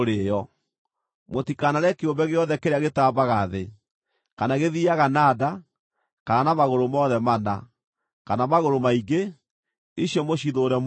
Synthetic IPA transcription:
ɾejɔ | motikanaɾɛkeombɛɣeɔðɛkeɾeaɣetaːbaɣaðe | kanaɣeðiaɣanaːda | kananamaɣoɾomɔðɛmana̰ | kanamaɣoɾomaiɡe | iɕjɔmoɕiðoɾɛm

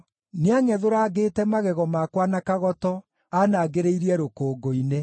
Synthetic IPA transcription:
neaŋɛðoɾaːɡeːtɛmaɣɛɣɔmakwanakaɣɔtɔ | anaːɡeɾeiɾiɛɾokoːɡoine

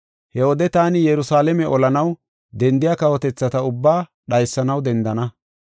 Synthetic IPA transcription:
hɛwɔd̪ɛt̪aːnɪjɛɾʊsaːlɛmɛʔɔlɐnɐw | d̪ɛnd̪ɪjakɐwɔt̪ɛt͡sːɐt̪ɐʊbːaː | ɗɐjsːɐnɐwd̪ɛnd̪ɐnɐ

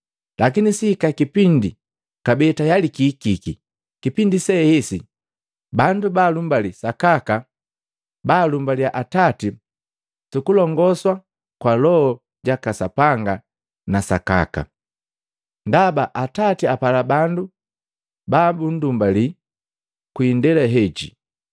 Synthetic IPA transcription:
lakinisihkakipindi | kabɛtajalikikiki | kipindisɛhɛsi | bandubaːlumbalisakaka | baːlumbaliaʔatati | tukulɔŋɡɔswa | kwalɔɔ | ɟakasapaŋɡa | nasa̰ka̰ka̰ | ndabaʔatatiapalabandu | babun̩dumbali | kwiːndɛlɛɦɛɟḭ

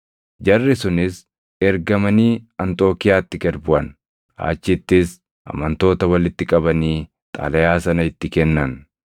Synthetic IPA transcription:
d͡ʒɐrːɪsʊnɪs | ɛɾɡɐmɐniːɐnt̪ʼo̞ːkɪjaːt̪ːɪɡɐɾbʊʔɐn | a̰ːt͡ʃːɪt̪ːɪs | ʔɐ̰mɐnt̪o̞ːt̪ɐwɐlɪt̪ːɪkʼɐbɐniː | t̪ʼa̰ːlɐjaːsɐnɐɪt̪ːɪkɛnːɐn

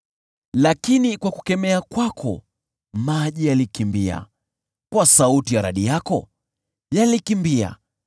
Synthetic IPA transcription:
lakinikwaku̥kɛmɛakwakʰɔ̰ | maʄijalikimbia̰ | kwasautijaɾaɗijakɔ̰ | jalikimbia̰

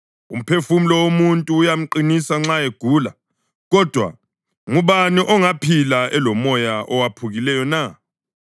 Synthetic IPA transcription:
ṵm̩pʰefumilɔwomuntʼuːjam̩ǃinisaŋ͡ǁaeɡ̥ʱuːla̰ | ɣɔd̥ʱwa̰ | ŋuβaniʔɔŋapʰilaɛlɔmɔjaʔɔwapʰuɣilɛjɔna

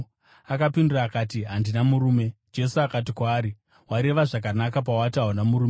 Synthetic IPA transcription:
akapinduraːkatiɦandinamuɾuːme̞d͡ʒe̞suakat̬ikwaːɾi | waɾe̞ʋaʐak̬anakap̬awataɦonamuɾuːme

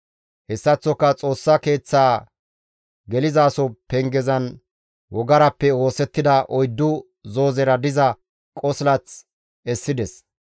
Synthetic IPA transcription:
hɛsːɐt͡sːɔkːɐt͡sʼo̞ːsːɐke̞ːt͡sːaː | ɡɛlɪzaːsɔpɛŋɡɛzɐn | wɔɡɐɾɐpːɛo̞ːsɛt̪ːɪd̪ɐʔɔjd̪ːʊ | zo̞ːzɛɾɐd̪ɪzɐ | kʼɔslɐt͡s | ɛsːɪd̪ɛs

